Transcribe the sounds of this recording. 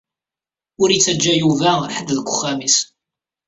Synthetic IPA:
ʊɾit͡sːæd͡ʒːæjuvæɾħəd̪ːðəɡʷʊχːæmis

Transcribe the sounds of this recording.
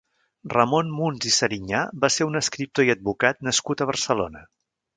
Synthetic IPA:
rəmonmunzisəɾiɲabaseɾunəskɾip̚t̪oiəd̪̚βukat̪̚nəskut̪əβ̞ərsəlo̰nə

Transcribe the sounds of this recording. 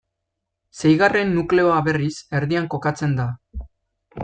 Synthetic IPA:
se̞jɣare̞nːukle̞o̞aβe̞rise̞ɾðiaŋko̞kat͡se̞nd̪a

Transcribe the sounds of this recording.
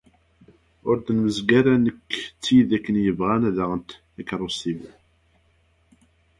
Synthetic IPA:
ʊɾd̪ənməzɡæɾænəkːt͡sːiðækːənjəvʁænæðæʁənt̪ | ækɾˤusivu

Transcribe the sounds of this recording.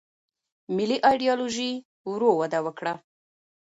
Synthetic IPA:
mɪliʔɑjɖijɑloʒi | wɾowad̪awəkɽa

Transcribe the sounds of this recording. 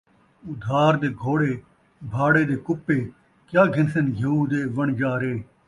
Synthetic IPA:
ʊd̪ʱaːɾd̪eːɡʱoːɽeː | bʱaːɽeːd̪eːkʊpːeː | kjaːɡʱɪnsənɡʱeːuːd̪eːʋəɳd͡ʒaːɾeː

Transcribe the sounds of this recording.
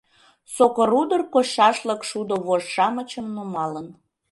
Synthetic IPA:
sokoɾud̪ərkoʃɑʃləkʃud̪oβoʃʃɑmət͡ɕəmnomɑlən

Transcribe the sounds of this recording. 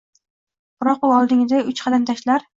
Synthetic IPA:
b̥ɾɒqʊɒlˠd̪ɪŋɪd̪aʊt͡ʃqʰɑd̪amt̪ʰaʃlaɾ

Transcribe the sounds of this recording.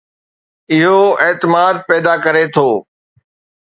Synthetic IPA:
ɪɦoeːt̪ɪmaːd̪̚pɛːd̪akɐɾet̪ʰoː

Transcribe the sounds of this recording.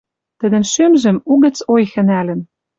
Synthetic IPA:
t̪ə̆d̪ə̆nʃømʒɘ̆muɣə̆t͡sojxɘ̆nælɘ̆n

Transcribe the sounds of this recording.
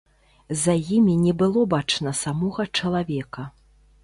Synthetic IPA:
zɐjimʲinʲɛbɨlˠɔbat͡ʂnɐsamɔɣɐt͡ʂɐlˠavʲɛkɐ

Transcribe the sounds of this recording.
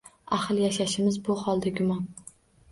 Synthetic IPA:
aχlˠjaʃaʃɪmɪzbʊhɒlˠd̪aɡʲʊmɒn

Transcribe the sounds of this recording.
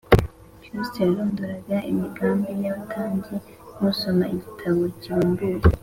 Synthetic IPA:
kusteluːnduɾaɡaʔimiɡaːmbinaβatʰaːɲɟi | nuso̞maiɟitʰaβo̞ciɾuːmbuɾe

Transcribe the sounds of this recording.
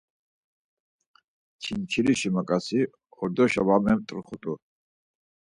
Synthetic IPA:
t͡ʃʰint͡ʃʰiliʃimakʼasi | ɔɾd̪ɔʃa̰vamɛmt̪ʼɾχut̪ʼu

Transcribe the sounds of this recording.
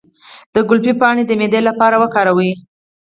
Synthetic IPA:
d̪̥əɡʊlpipɑɽed̪əmed̪elapɑɾawəkɑɾawi

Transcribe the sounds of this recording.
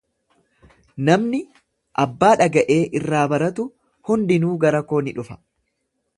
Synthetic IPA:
nɐmnɪ | ʔɐbːaːᶑɐɡɐʔeːʔɪrːaːbɐɾɐt̪ʊ | hʊnd̪ɪnuːɡɐɾɐko̞ːnɪᶑʊfɐ̥

